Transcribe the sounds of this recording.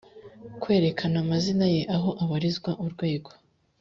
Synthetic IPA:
kwe̞ːɾe̞kʰanamazinaje̞ʔaɦo̞ʔaβaɾizɡwaʔuɾɡwe̞ːɡo̞

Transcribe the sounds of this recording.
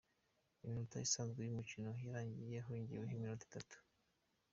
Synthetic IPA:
iminuta̰jisaːnzɡwejumucino̞ɦiɾaːɲɟije̞ɦoiɲɟḭweɦiminuti̥tatu̥

